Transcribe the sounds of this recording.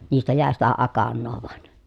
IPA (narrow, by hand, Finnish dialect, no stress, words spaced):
niːstæ jæˑe sitæ ɑkɑnːoː ʋŏɑn